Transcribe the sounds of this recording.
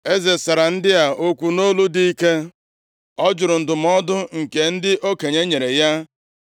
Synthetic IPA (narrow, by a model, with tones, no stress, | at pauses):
e˦ze˨sa˨ɾa˨n̩˦dɪ˦a˨ʔo˦kʷu˨no˦lu˦di˦i˦ke˦ | ɔ˦d͡ʒʊ˨ɾʊ˨n̩˨dʊ˨m̩˦ɔ˦dʊ˦ŋ̩˨ke˨n̩˦dɪ˦ʔo˦ke˨ɲe˦ɲe˨ɾe˨ja˦